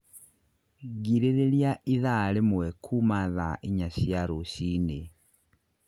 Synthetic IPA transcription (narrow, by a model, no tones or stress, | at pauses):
ɡiɾeɾeljaʔiðalemwɛkʰumaðaʔiɲasjaɾoɕine